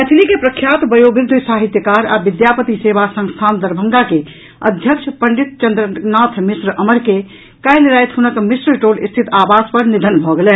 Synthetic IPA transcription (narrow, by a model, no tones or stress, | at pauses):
ɛt̪ʰlikepɾəkʰːjat̪bəjobiɾd̪ʱsaɦit̪jəkaɾabid̪japət̪isebasə̃ŋst̪ʰand̪əɾbʱəŋɡake | ə̰d̪ʱjəkt͡ʃʰpəɳɖit̪̚t͡ʃənd̪ɾənat̪ʰmisɾəʔəməɾke | kajleɾajt̪ɦunəkmisɾəʈolḭst̪ʰit̪abaspəɾnid̪ʱənbʱɔɡelɛ